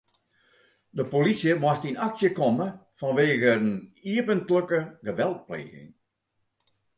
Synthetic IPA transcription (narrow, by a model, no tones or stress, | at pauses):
dəpolisjəmwastinaksjəkɔməfɔnʋeːɣəəniəpəntløkəɡəʋɛlˠt̚plḛːɣɪ̰ŋ